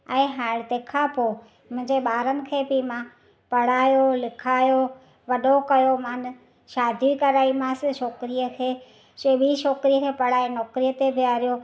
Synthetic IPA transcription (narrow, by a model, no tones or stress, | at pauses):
ɛ̃ːɦaːɽt̪ekʰapo | mʊ̃ɦɪ̃ɲd͡ʑeɓaːɾənɪ̆kʰeːbɪmã | pɐɽ̤aːjolɪkʰaːjo | ʋɐɗʱokɐjomaːn | ʃaːd̪ʱikɐɾaːimãsɪʃoːkɾijəkʰeː | sebiʃoːkɾijəkʰeːpɐɽ̤aːenɔːkɾijət̪ebɪaːɾijo